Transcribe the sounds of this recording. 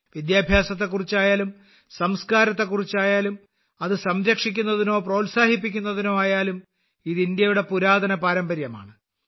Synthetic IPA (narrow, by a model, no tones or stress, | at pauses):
ʋid̪jaːbʱjaːsɐt̪̬ːe̞kːurit͡ɕːaːjaːlum | sɐmskaːɾɐt̪ːe̞kːurit͡ɕːaːjaːlum | ɐðɨsɐmɾɐkʂik̬ʲːun̪ːɐðino̞ːproːlsaːhipːikʲːunːɐðino̞ːaːjaːlum | iðind̪jɐjuɽe̞puɾaːd̪ʱɐnɐpaːɾɐmbɐɾjɐma̰ːɳɨ